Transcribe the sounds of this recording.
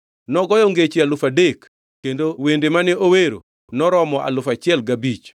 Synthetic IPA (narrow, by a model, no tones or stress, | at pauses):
nɔɡɔjɔŋɡet͡ʃialʊfadekː | endowendemanɪoweɾo̰ | nɔɾɔmɔa̰lʊfat͡ʃɪɛlɡabit͡ʃ